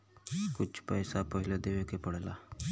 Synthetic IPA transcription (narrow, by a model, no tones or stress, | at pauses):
kʊt͡ʃʰpəːsapəɦɪled̪eːʋekepəɽeːlaː